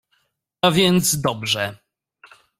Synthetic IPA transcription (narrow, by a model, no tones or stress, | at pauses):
avʲjɛnt̪zd̪ɔbʐɛ